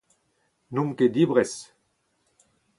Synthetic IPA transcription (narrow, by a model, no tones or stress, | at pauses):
numked̪ibʁɛs